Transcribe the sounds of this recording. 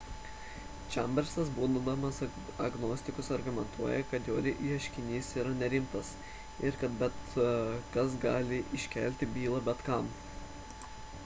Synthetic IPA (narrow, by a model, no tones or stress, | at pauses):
t͡ʃʲɛ̰mʲbʲɛɾʲsɐsbuːd̪d̪ɐmɐs | ɐɡnoːsʲt̪ʲɪkʊsɐɾɡʊmʲɛnt̪ʰuɔjɛkɐt̪joːɾʲɪʔiːɐʃʲkʲɪnʲiːsiːɾɐnʲɛɾʲɪmt̪ɐs | ɪɾkɐt̪̚bʲɛt̪kɐs̬ɡɑːlʲɪʔɪʃʲkʲɛlʲt̪ʲɪbʲiːlˠɐbʲɛt̪kɐˑm